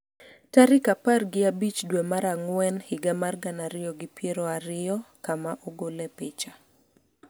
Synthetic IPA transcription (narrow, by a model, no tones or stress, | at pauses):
taɾɪkaparɡɪabit͡ʃdwɛmaɾaŋwɛnhɪɡamarɡanaɾɪjɔɡɪpjeɾɔaɾɪɔkamaʔɔɡolɛpɪt͡ʃa